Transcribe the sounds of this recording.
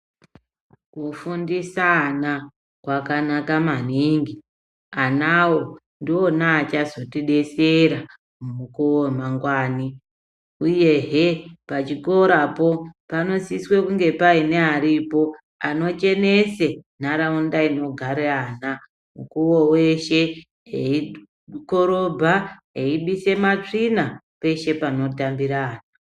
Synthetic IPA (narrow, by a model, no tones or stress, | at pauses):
kufundisana | kwakanakamaniːŋɡi | anawo̞ | ndiwo̞naːt͡ʃazo̞tiɗe̞seɾa | mumukuwomaŋɡwaːni | uje̞ɦepat͡ʃiko̞ɾapo̞pano̞siswekuŋɡe̞paine̞aɾipo̞ | ano̞t͡ʃe̞ne̞se̞naɾaundaino̞ɡʱaɾeana | mukuwo̞we̞ʃe̞ | ɦei | ko̞ɾo̞bʱaɦeiɓise̞mat͡ʂina | pe̞ʃe̞pano̞tambiɾaːna